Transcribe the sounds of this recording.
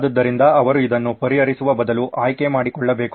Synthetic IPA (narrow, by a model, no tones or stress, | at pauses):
d̪ɐd̪ːɐɾind̪ɐɐʋɐɾuid̪ɐnːupɐɾiɐɾisuʋɐbɐd̪ɐluʔaːjkemaːɽikɔɭːɐbe̞ːk